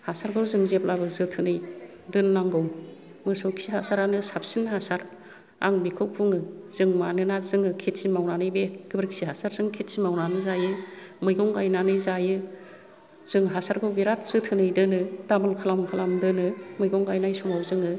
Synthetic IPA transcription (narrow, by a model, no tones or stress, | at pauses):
hasaɾɡɯwzɯŋzep̚labɯzɯtʰɯnɯj | dɯnlaŋɡɔw | mɯsɔwkʰsiɦasaɾanɯsap̚sinhasaɾ | a̰ŋbikʰɯwpʰuŋɯz̥ɯŋmanɯnazɯŋɯkʰet̚simawnanɯjbeɡ̥ɯbɾɯksiɦasaɾzɯŋkʰet̚simawnanɯzajɯmɯjɡɔŋɡajnanɯjzajɯ | z̥ɯŋɦasaɾɡɯwbeɾat̚z̥ɯtʰɯnɯjdɯnɯdamɔlkʰalamkʰalamdɯnɯmɯjɡɔŋɡajnajsɔmawzɯŋɯ